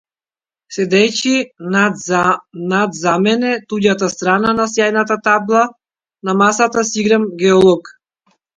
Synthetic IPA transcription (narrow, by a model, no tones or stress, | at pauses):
sɛd̪ɛci | nad̪zamɛnɛt̪uɟat̪ast̪ɾananasjajnat̪at̪ablˠa | namasat̪asiɡɾamɡɛɔlˠɔk